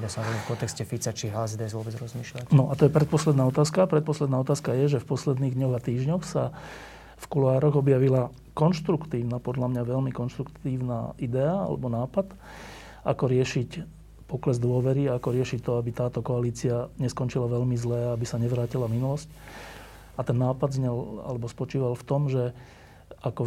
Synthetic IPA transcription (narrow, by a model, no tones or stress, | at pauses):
basɔnaʋɔɾifkɔnt̪ɛkscɛfit͡sat͡ʃiɦazd̪ɛzʊɔbɛd͡zɾɔzmiːʃlacnɔʔat̪ɔjɛpɾɛt̪pɔslɛd̪naːɔt̪aːskapɾɛt̪̚pɔslɛd̪naːɔt̪aːskajɛʒɛfpɔslɛd̪niːɣd̪ɲɔɣat̪iːʒɲɔxsa | fkulaːɾɔɣɔbjaʋila | kɔnʃt̪ɾukt̪iːʊnapɔd̪ʎamɲaʋɛʎmikɔnʃt̪ɾukt̪iːʊna̰id̪ɛaa̰lɛ̰bɔnaːpad̪ | ʔakɔɾɪɛʃic | pɔklɛzd̪ʊɔʋɛɾiaakɔɾɪɛʃict̪ɔabit̪aːt̪ɔkɔaliːt͡siaɲɛskɔnt͡ʃilaʋɛʎmizlɛːaabisaɲɛʋɾaːcilaminulɔsc | at̪ɛnːaːpad̪zɲɛla̰lɛbɔspɔt͡ʃiːʋalft̪ɔmʒɛ | akɔ